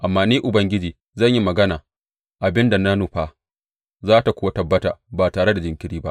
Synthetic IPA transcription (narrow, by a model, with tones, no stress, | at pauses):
ʔa˨mːaː˦niː˦ʔʊ˨bɐ˦ŋɡʲɪ˦d͡ʒiː˨ | zɐ˦˨ɲji˦mɐ˨ɡɐ˦naː˨ | ʔa˨bɪ˦nda˨na˦nʊ˨ɸaː˦ | zaː˦ta˨kʷʊː˦wa˦tɐ˨bːɐ˦ta̰ː˨baː˨taː˨ɽe˦da˨d͡ʒɪ˨ŋkʲɪ˦ɾiː˦ba˦ʔ